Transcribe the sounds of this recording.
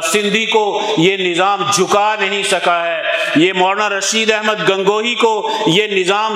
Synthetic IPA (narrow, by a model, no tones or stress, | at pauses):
sɪ̃nd̪ʱikojenɪzaːmd͡ʒʱʊkanɐɦĩsɐkaɦɛːjemɔːɾnaɾɐʃiːd̪ɛɦməd̪ɡɐ̃ŋɡoːɦikojenɪzaːm